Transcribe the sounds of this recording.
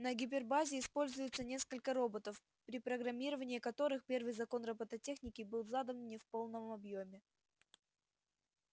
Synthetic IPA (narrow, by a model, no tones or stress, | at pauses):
nəɡʲɪp̬ʲɪrbazʲɪːspo̞lʲzʊjɪt̪sənʲe̞skəlʲkəɾo̞bət̪əf | pɾʲɪpɾəɡɾɐmʲiɾəvənʲɪːkɐt̪o̞ɾɨxpʲe̞rvɨjzɐko̞nrəbət̪ətʲe̞xnʲɪkʲɪbɨlˠzad̪ənnʲɪfpo̞lˠnəmɐbjomʲɪ